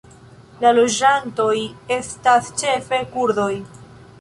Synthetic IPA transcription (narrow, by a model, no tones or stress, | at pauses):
lalo̞d͡ʒanto̞je̞stast͡ʃe̞fe̞kuɾdo̞j